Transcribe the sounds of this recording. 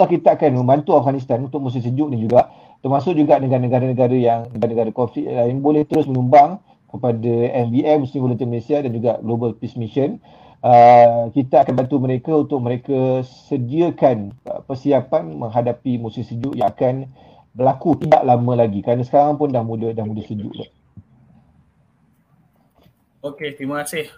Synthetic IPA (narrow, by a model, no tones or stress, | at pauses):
lahkit̪akanmə̃mbant̪uafɡanis̬t̪anunt̪ʊk̚mũs̬iŋsəd͡ʒʊʔdand͡ʒuɡaʔ | t̪ərmasʊʔ̚d͡ʒuɡaʔnəɡaɾnəɡaɾanəɡaɾajaŋnəɡanəɡaɾakofliʔlaɪnbolɛht̪əɾʊsmə̃ɲumbaŋ | kəpadaɛnviɛmusiŋɡolunt̪inməlesiadand͡ʒuɡaʔɡlobəlpismiʃən | əkit̪aakanbant̪uməɾekaunt̪ʊk̚məɾekasədiəkan̰pərsiapanmə̃ŋɦadapimusɪŋsəd͡ʒuʔjaŋakan | bəlakut̪ida̰ʔlamə̃laɡikɾanasə̥kaɾaŋpʊndahmudədahmũdəsəd͡ʒṵʔla̰ | oket̪ɾimakasɪh